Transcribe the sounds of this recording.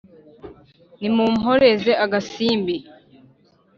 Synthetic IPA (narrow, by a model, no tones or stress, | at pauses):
nimumɦo̞ɾe̞zeʔaɡasiːmbi